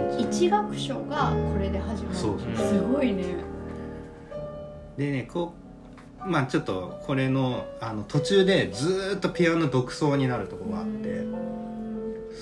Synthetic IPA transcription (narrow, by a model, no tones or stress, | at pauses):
it͡ɕiɡakɯ̟̥ɕo̞ɡakʰo̞ɾe̞d̪e̞ɦaʑimasoːsnsɨɡoine | d̪e̞ne̞kʰoː | maːt͡ɕo̞t̪ːo̞kʰo̞ɾe̞no̞ano̞t̪o̞t͡ɕɨːd̪e̞d͡zɨːt̪ːo̞pʲijano̞d̪o̞kɯ̟̥so̞ːɲ̟inaɾɯ̟t̪o̞ko̞ɾoat̪ːe̞̰